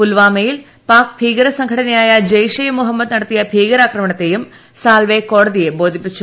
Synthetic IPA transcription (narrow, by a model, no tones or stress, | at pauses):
pulʋaːmejil | paːk̚bʱiːɡɐɾɐsɐŋɡʱɐɽɐnɐjaːjɐd͡ʑɐjʂɐjɐmuɦɐmːɐd̪nɐɽɐt̪ːijɐbʱiːɡɐɾaːkrɐmɐɳɐt̪ːejum | saːlʋeko̞ːɽɐðije̞bo̞ːd̪ʱipːit͡ɕːu